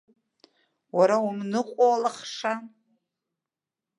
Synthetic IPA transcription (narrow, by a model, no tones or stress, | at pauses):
waɾaumnɨqʷʼoalaχʂa